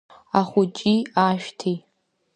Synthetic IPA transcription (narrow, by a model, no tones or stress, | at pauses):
aχʷʊt͡ʃʼiaʃᶣtʰi